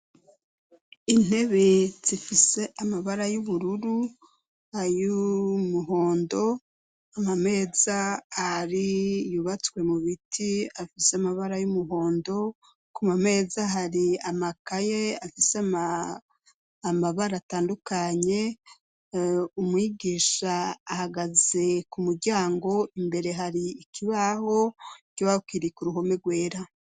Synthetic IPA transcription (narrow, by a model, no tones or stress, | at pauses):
in̥he̞βe̞z̥ifise̞ʔamaβaɾajuβuɾuɾu | hajumuɦo̞ːndo̞ | amame̞ːz̥aːɾijuβat͡swe̞muβitʰiafiseamaβaɾajumuɦo̞ːndo̞ | kumame̞ːzaɦaɾiamakaje̞afisama | maβaɾataːndukaɲe̞ | umwiːɡiʃaːhaɡaze̞kumuɾɟaːŋɡo̞imbe̞ɾe̞ɦaɾiːkiβaho̞ɟowakiɾikuɾuɦo̞me̞ɾɡwe̞ːɾa